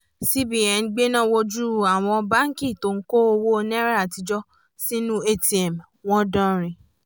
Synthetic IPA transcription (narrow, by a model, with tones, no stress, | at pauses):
si˦bi˨ɛ˨˧n̩˦ɡ͡be˦nã˦wo˧d͡ʒu˦˨a˨w̃ɔ̃˧ba˦ŋ̩˦ki˦˨to˧˦˨ŋ̩˦ko˦o˧wo˦˧nɛ̃˦ɾa˦a˨ti˧d͡ʒɔ˦ | si˦nũ˦e˦ti˨ɛ˨m | w̃ɔ̃˦dɔ̃˦ɾ̃ĩ˨